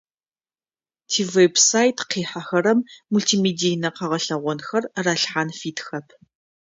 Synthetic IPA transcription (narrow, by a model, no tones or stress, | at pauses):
tʰiːvebsaːjtʰqiːħaxɐɾɐmːultʰiːmeːdijnɐqɐʁɐɬɐʁʷɔnxɐrraːɬħaːnfiːtʰxɐpʰ